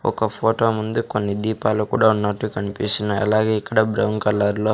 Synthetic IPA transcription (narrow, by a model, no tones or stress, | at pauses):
ɔ̰kɐpʰoːʈoːmund̪ukonːid̪iːpaːlukṵːɽaːunːɐʈːukɐnipisinaɐ̰laːɡe̞ːikːɐɽɐbɾɐwŋkɐlːaːɾlo̞ː